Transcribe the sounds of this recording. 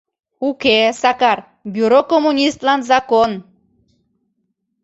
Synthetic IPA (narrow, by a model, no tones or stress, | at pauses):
ukesakaɾ | bʲjuɾokomunʲist̪lanzakon